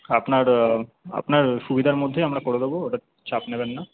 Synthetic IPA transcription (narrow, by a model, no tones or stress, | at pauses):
apnaɾɐ̰pnaɾʃubid̪ʱaɾmɔd̪ʱːjeɦɐmɾakoɽed̪oboːʈaɾ | t͡ʃaːpnebɛnːa